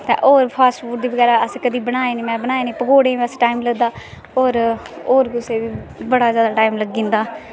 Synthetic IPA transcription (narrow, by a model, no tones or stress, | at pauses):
t̪ɛ̰̃ːʔoːɾpʰaːsʈfuːʈ̚d̪iːbəɡɛːɾaːəskəd̪iːbənaːeːnĩːmɛ̃ːbənaːeːnĩːpəɡoːɽẽːəsʈaːiːmləɡd̪aː | oːɾoːɾɡʊseːʋiːbəɽaːzjaːd̪aːʈaːimləɡːĩːnd̪aː